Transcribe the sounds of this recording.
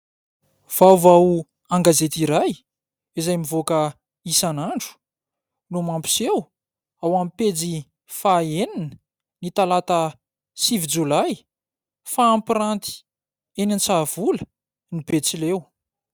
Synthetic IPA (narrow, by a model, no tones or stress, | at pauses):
v̥awvaw | aŋɡazet̪iɾaj | izajmivokə | isanaɳɖ͡ʐu̥ | numampi̥sew | awamped͡zi | faeninə | nit̪alat̪ə | sivid͡ʒulaj | faːmpiɾant̪i̥ | enant͡sav̥ulə | nibet͡silew